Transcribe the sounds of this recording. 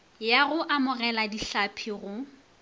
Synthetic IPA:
jaɣʊʔamʊrɛladiɬapʰiɣʊ

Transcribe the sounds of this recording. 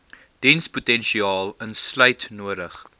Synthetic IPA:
d̥ɛnsputɛnʃiɑːlˠənsləjtnuəɾəχ

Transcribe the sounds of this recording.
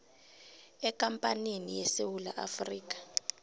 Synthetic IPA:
ɛkʼampʼanenijɛsewula̰ʔafriːk̬ʼḁ

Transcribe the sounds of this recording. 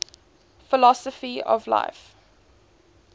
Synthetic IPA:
fɪlɔsəfiɔ̰vla̰ɪf

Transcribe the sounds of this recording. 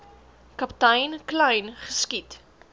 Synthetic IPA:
kɐptɐjnklɛjnχəskit

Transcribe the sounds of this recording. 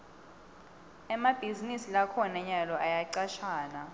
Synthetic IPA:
ɛmab̥ʱizinisilakʰɔnɛɲalɔajaǀaʃaːna

